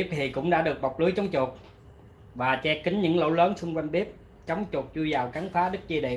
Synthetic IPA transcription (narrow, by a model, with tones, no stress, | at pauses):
i˦˥p̚hi˨˩kʊ̰˧˥ŋ͡mɗa̰ː˧˥ɗɨ˨˩ək̚ɓa˨˩k͡p̚lɨ˨˦jt͡ɕɔ˨˦wŋ͡mt͡ɕʊ˨˩t̚ | vaː˨˩t͡ɕɛ˧kï˨˦ŋ̟ɲɨ̰˧˥ŋlo̰˧˥wləː˨˦nsʊ˧ŋ͡mkwa˧jŋɓi˦˥əp̚ | t͡ɕə˨˦wŋ͡mt͡ɕʊ˨˩t̚t͡ɕu˧jzaː˨˩wka˨˦ŋfaː˨˦ɗɨ˦˥k̚t͡ɕi˧ɗḛ˧˨